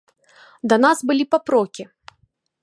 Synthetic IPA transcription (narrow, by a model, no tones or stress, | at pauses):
d̪ɐnazbɨlʲipapɾɔkʲi